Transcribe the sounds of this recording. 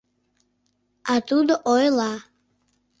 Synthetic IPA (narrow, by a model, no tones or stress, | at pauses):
at̪ud̪ɔʔɔɛla